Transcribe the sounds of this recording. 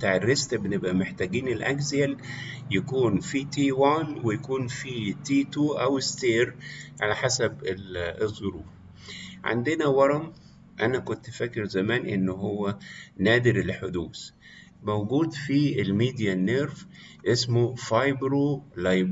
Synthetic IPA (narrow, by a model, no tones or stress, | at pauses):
t̪aːʕerːest̪benebʔæmeħt̪æːɡiːnelʔæɡziæljækuːnfit̪iːwaːnwejækuːnfiːt̪iːt̪uːʔæwest̪eːɾʕalæħasæbezˤːoɾuːf | ʕa̰nd̪enæwɑɾˤɑm | ʔænækont̪ʔfækːeɾzæmæːnʔenːoɦowːænæːd̪ɪɾelħod̪uːs | mowɡuːd̪fielmiːd̪jænːeɾf | ʔesmofɑjbɾolɑjb